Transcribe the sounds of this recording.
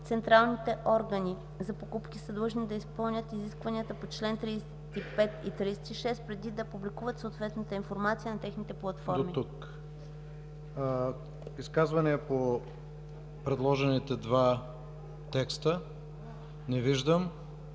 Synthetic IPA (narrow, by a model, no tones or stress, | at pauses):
t̪sɛnt̪ɾalˠnit̪ɛʔɔɾɡɐni | zɐpokupk̟ʲisɐd̪ˠəʒnid̪ɐispɤlˠnʲət̪iziskvɐniət̪əpot͡ʃlɛnt̪ɾisɛt̪ipɛt̪it̪ɾisɛ̥t̪iʃɛst̪pɾɛd̪id̪ɐpublikuvət̪soːt̪vɛt̪nət̪əinfoɾmat̪sijənɐt̪ɛxnit̪ɛplˠɐt̪fɔdɾomit̪uk | iskazvɐnɛːpo | pɾɛd̪lˠɔʒɛnit̪ɛd̪va | t̪ɛkst̪ə | nɛviʒd̪əm